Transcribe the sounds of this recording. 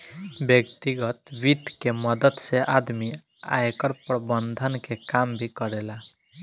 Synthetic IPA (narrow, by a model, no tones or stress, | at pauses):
bjekt̪iɡət̪ʋid̪kemʌd̪əd̪seʔad̪mi | a̰jkəɾpɾbənd̪ʱənkekambʱikʌɾela